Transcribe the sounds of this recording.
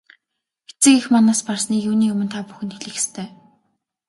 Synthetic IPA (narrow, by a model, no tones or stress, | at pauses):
xet͡sɘ̆kixmanaːsparsniːkjuːniːɵmɵ̆nt̪ʰaːpu̥xɘ̆nt̪xeɮɘ̆xe̥st̪ʰeː